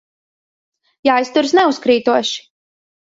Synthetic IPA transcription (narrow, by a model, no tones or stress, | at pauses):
jaːjst̪uɾsnɛuskɾiːt̪uɔʃi̥